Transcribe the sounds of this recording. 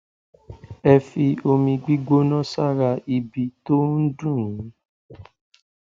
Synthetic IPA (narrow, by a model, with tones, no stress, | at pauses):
ɛ˧fi˧o˧mĩ˧ɡ͡bi˦ɡ͡bo˦nɔ̃˦sa˦ɾa˧i˧bi˧to˦n̩˦dũ˦˨˦